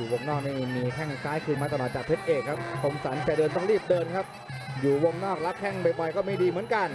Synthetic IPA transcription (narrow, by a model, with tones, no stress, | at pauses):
uː˨˩wo˧ŋnɔː˥˩k̚niː˥˩miː˧kʰɛ˥˩ŋsaː˦˥jkʰɯː˧nmaː˧t̪a˧nɔː˨˩t̪̚t͡ɕaː˨˩pʰe˦˥t̪̚ʔeː˨˩kʰːa˦˥p̚kʰo˧msa˩˦nt͡ɕa˨˩dɤː˧nt̪ɔ˥˩ŋɾiː˥˩p̚dɤː˧nkʰa˦˥p̚ | juː˨˩wo˧ŋnɔː˥˩k̚la˦˥p̚kʰɛ˥˩ŋba˧jbɔ˧jkɔː˥˩miː˧˩diː˧mɯ˩˦ənka˧n